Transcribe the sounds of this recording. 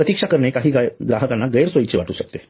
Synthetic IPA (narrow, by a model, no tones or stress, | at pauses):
pɾət̪ikʂakəɾɳekaɦiːɡɡɾaɦəkãnːaɡəjɾsʋoit͡ɕeʋaʈuːɕək̚t̪e